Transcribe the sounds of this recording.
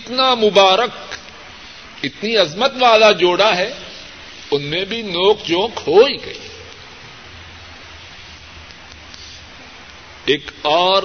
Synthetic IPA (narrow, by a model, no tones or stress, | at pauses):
t̪namʊbaːɾək | ɪt̪niɐzmət̪ʋaːlad͡ʒoːɽaɦɛ | ʊnmẽbʱinoːkd͡ʒõːkhoːiɡɐ̰iː | eːkaːɾ